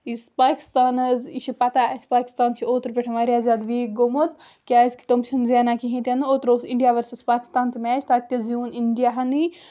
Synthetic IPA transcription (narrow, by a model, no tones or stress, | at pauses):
ispaːkʲi̥st̪aːnɐziʃʰipɐt̪aɐspaːkʲi̥st̪aːnt͡ʃʰioːt̪ɾpʲeʈʰɐmaːɾʲijaːzʲaːd̪ʋiːɡomot̪ | kʲaːzki̥t̪omt͡ʃʰɐnzeːnakiɦĩːt̪ʲɐnoːt̪ɾosiɳɖijaːʋɐɾsɐspaːkʲi̥st̪aːnt̪imɛːt͡ʃʰt̪at̪̚ʲkʲɐzjuːniɳɖijaɦɐni